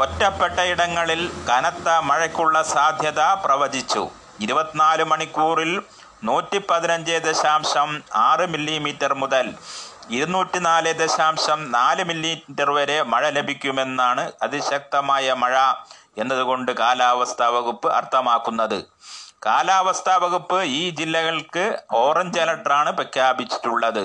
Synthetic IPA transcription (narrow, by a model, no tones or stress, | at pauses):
otːɐpːeʈːɐiɽɐŋːɐɭilkɐnɐt̪ːɐmɐɻɐkʲːuɭːɐsaːd̪ʱjɐðaprɐʋɐd͡ʑit͡ɕːṵ | iɾubɐt̪ːinaːlɨmɐɳikːuːril | nuːtːipɐðinɐɲd͡ʑeːd̪ɐɕaːmɕɐmaːrɨmilːimiːtːɐrmuðɐliɾunuːtːinaːleːd̪ɐɕaːmɕɐmnaːlɨmilːitːɐrʋɐɾe̞mɐɻɐlebʱikʲːume̞nːaːɳɨɐðiɕɐk̚t̪ɐmaːjɐmɐɻɐ | e̞nːɐðuɣo̞ɳɖɨkaːlaːʋɐst̪ʰɐʋɐɣupːɨʔɐ̰rt̪ʰɐmaːkːunːɐðɨ̰ | kaːlaːʋɐst̪ʰɐʋɐɣupːɨiːd͡ʑilːɐɣɐɭkɨo̞ːrɐɲd͡ʑɐlɐʈraːɳɨprɐkːjaːbit͡ɕːi̥tːuɭːɐðɨ